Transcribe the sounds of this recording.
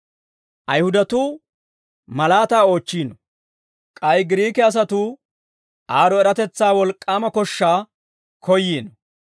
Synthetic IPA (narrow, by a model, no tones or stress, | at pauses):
ʔɐjhʊd̪ɐt̪uː | mɐlaːt̪aːo̞ːt͡ʃːiːnɔ | kʼɐjɡɪɾiːkɛɐs̬ɐt̪uː | ʔaːɾɔɛɾɐt̪ɛt͡sːaːwɔlkʼːaːmɐkɔʃːaː | kʰɔjːiːnɔ